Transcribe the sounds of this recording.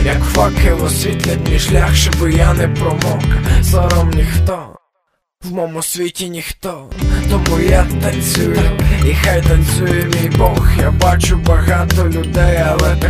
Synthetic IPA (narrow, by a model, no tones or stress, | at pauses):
jɐkfɑkɪʋɔsʲʋʲit̪lʲetʲːiʃlʲaxʃɔbɪjanɛpɾɔmɔksɔɾɔmnʲixt̪ɔ | wmɔmʊsʲʋʲitʲinʲixt̪ɔt̪ɔmujat̪ɐnʲt͡sʲujʊixajt̪ɐnʲt͡sʲujɛmʲijbɔxjabɑt͡ʃʊbɐɣɑt̪ɔlʲʊd̪ɛjɐlˠɛ